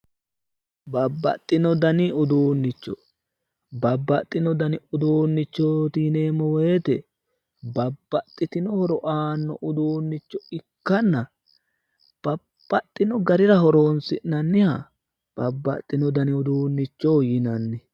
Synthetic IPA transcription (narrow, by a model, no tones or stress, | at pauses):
bɐbːɐ̰t̪ʼːɪnɔd̪ɐnɪʊd̪uːnːɪt͡ʃːɔ | bɐbːɐt̪ʼːɪnɔd̪ɐnɪʊd̪uːnːɪt͡ʃːot̪iːneːmːɔwɔt̪ɛ | bɐbːɐt̪ʼːɪt̪ɪnɔhɔɾɔʔaːnːɔʔʊd̪uːnːɪt͡ʃːɔɪkːɐnːɐ | b̥ɐ | b̥ːɐt̪ʼːɪnɔɡɐɾɪɾɐhɔɾo̞ːnsɪʔnɐnːɪhɐ | b̥ɐbːɐ̰t̪ʼːɪnɔd̪ɐnɪʊd̪uːnːɪt͡ʃːoːjɪnɐnːɪ